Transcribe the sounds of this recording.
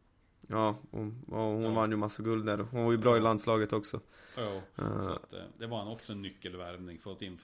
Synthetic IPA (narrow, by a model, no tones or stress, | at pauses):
jɑːɔ̰ɑːhʊnvanjɵmasːaɡɵld̪d̪æːɾɔhʊnvaɾjɵbɾɑːɪland̪slɑːɡət̪ɔksɔ̰ | sɔ̰t̪d̪ɛʋaɾɛnɔksɔɛnːʏkːəlʋæɾmnɪŋfɔɾɔt̪ɪnː